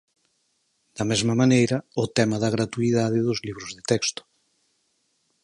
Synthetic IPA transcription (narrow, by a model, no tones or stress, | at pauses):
d̪̥ɐmezmɐmanejɾɐʊt̪ɛmɐðɐɣɾat̪uiðað̞ɪðʊzliβ̞ɾʊzðet̪ɛkst̪ʊ̥